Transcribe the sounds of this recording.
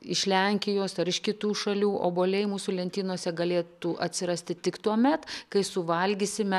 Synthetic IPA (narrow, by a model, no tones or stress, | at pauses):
ɪʃʲlʲɛŋʲkʲɪjoːsɐɾɪʃkʲɪt̪uːʃɐlʲuːʔo̰ːboːlʲɛɪmuːsʊlʲɛnʲt̪ʲiːnuɔsʲɛɡɐlʲeːt̪uʔɐ̰t̪ʲsʲɪɾɐsʲt̪ʲɪt̪ʲɪkt̪uɔmʲɛt̪kɐɪsʊʋɐlʲɡʲisʲɪmʲɛ